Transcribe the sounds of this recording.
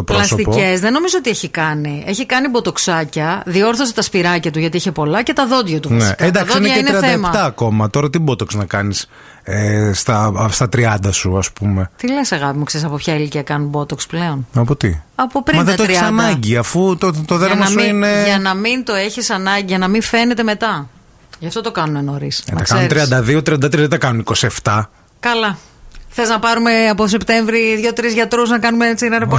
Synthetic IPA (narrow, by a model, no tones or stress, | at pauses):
t̪opɾlolɐsot̪ipoe̞zðeno̞mizoot̪ieçikɐnie̞çikɐnibo̞t̪o̞ksɐcɐðio̞ɾθo̞set̪ɐspiɾɐcɐt̪uʝɐt̪ieçepo̞lɐce̞t̪ɐðo̞d̪ʝɐt̪uvɐnsiked̪ɐkðsoineʝɐɐeineɾiɐnɐemɐt̪ɐːko̞mɐt̪o̞ɾɐt̪ibot̪oksnɐkɐnis | est̪ɐst̪ɐt̪ɾiɐnd̪ɐsuɐspume̞t̪ile̞sɐɣɐpimukseɾisɐpo̞pçɐiliciɐkɐnunbo̞t̪oksple̞o̞nɐpo̞t̪ḭɐpopɾimɐðet̪oessɐnɐɲɟiɐfut̪ot̪oðeɾɐmɐsuineʝɐnɐmint̪o̞e̞çisɐnɐɲɟiʝɐnɐmiɱfe̞ne̞t̪e̞me̞t̪ɐ | ʝɐft̪o̞t̪okɐnunenoɾistnɐɐksɐnenɾit̪ɾiɐnd̪ɐðiot̪ɾiɐnd̪ɐt̪ɾɐðet̪ɐkɐnuniko̞sie̞ft̪ɐ | kɐlɐ | xθeznɐpɐɾume̞ɐpos̬e̞pt̪e̞ɱvɾiðʝo̞t̪ɾizʝɐt̪ɾoznɐkɐnumet͡sinɐɾɐp